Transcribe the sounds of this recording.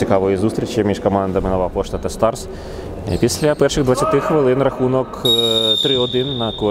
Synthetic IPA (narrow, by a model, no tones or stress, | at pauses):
ikɑʋɔjizust̪ʲɾʲit͡ʃjɐmʲiʃkɔmɑnd̪ɐmɪnɔʋapɔʂt̪ɐt̪ɐst̪ɑrs | pʲisʲlʲɐpɛrʃɪɣd̪ʋɐtʲt͡sʲːɐt̪ɪxʋɪlˠɪnrɐxunɔkt̪ɾɪɔd̪ɪnːɐkɔ